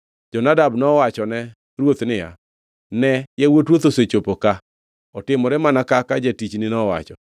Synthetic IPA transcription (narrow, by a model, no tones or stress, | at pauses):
d͡ʒɔnadabnɔwat͡ʃɔnɛ | ɾwot̪nɪja̰ | nɛjɛwotɾwot̪oset͡ʃopoka | ɔtɪmɔɾɛmanakakad͡ʒetit͡ʃnɪnɔwa̰t͡ʃɔ